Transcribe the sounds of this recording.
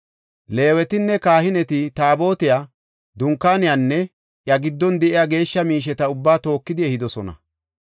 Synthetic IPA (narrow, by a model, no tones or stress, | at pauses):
le̞ːwɛt̪ɪnːɛkaːhɪnɛt̪ɪt̪aːbo̞ːt̪ɪjaː | d̪ʊŋkːaːnɪjanːɛ | ʔjɐɡɪd̪ːɔnd̪ɛʔɪjaːɡe̞ːʃːɐmiːʃ̬ɛt̪ɐʊbːaːt̪o̞ːkːɪd̪ɪɛhɪd̪ɔsɔnɐ̰